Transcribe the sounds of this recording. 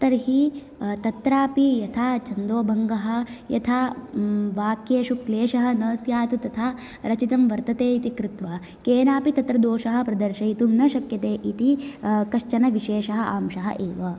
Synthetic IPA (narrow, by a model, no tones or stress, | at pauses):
t̪ɐɾɦi | t̪ɐt̪ɾaːpijɐt̪ʰaːt͡ʃɐnd̪oːbʱɐŋɡɐɦɐ̆jɐ̰t̪ʰaː | ʋaːkjeːʃukleːʃɐɦɐ̆nɐːsjaːt̪ut̪ɐt̪ʰaː | ɾɐt͡ʃit̪ɐmʋɐɾt̪ɐt̪eːit̪ikɾɪt̪ʋaː | keːnaːpit̪ɐt̪ɾɐd̪oːʃɐɦɐ̆pɾɐd̪ɐɾʃɐjit̪umnɐʃɐkjɐt̪eːʔit̪ikɐʃt͡ʃɐnɐʋiʃeːʂɐɦɐʔa̰ːmʃɐɦɐ̰ʔeːʋɐ